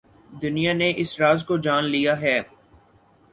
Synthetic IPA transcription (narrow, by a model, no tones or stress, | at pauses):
d̪ʊnijaneʔɪsɾaːzkod͡ʒaːnlijaɦɛː